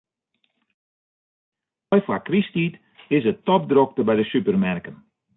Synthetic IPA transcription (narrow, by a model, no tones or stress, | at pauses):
ɔjfakristit | ɪsətɔp̚drok̚təbɛjdəsypərmɛrkən